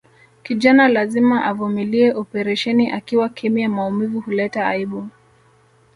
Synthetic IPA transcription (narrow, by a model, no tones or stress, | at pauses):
kiʄanalazimaʔavumiliɛʔɔpɛɾaʃɛniʔakiwakʰɛmiamaumivuhulɛtaa̰iɓu